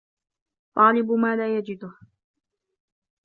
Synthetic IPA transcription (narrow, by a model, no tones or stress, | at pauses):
t̪ˤɑːlɪbʊmaːlaːjad͡ʒɪd̪ʊh